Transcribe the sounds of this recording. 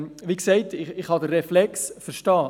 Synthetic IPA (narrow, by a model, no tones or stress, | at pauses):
ʋiːksɛɪtɪɪχhɑdərːɛflɛksfəɾʃtɑː